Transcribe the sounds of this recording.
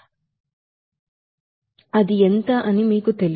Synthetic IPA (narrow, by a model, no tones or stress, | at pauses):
ɐd̪ient̪ɐʔɐnimiːkut̪el